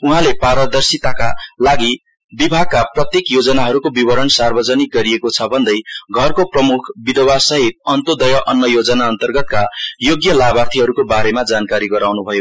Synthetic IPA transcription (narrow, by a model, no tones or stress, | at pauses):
uɦãlepaɾʌd̪ʌrsit̪akalaɡi | bibʱaɡ̚kaprʌt̪jekjod͡zʌnaɦʌɾukobibʌɾʌnsarbʌd͡zʌnik̚ɡʌɾiekot͡sʰʌbʱʌnd̪ʌjɡʱʌrkoprʌmukʰbid̪ʱʌwasʌɦit̪̚ʌnt̪od̪ʌjʌʔʌnːʌjod͡zʌnaʌnt̪ʌrɡʌt̪̚kajoɡjʌlabart̪ʰiɦʌɾukobaɾemad͡zankaɾiɡʌɾawnubʱʌjo